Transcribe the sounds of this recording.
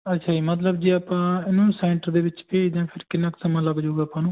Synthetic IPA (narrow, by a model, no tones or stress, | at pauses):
ətːʃʰaːd͡ʒiːmət̪̬ləbd͡ʒiːaːpãːɪnũːsɛ̃ːɳʈəɾd̪eːʋɪt͡ʃpeːd͡ʒãːpʰɪɾkɪnːaːksəmãːləɡd͡ʒaːuɡaːpãːnũː